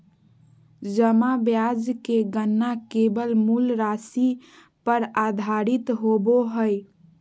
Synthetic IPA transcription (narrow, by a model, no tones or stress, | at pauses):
d͡ʒəmabjad͡ʒkeɡənːakebəlmulɾasi | pəɾad̪ʱaɾit̪ɦoboɦəj